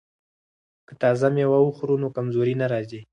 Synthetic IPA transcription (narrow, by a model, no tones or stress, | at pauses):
kət̪ɑzamewəwuxɾunokamzoɾinaɾɑzi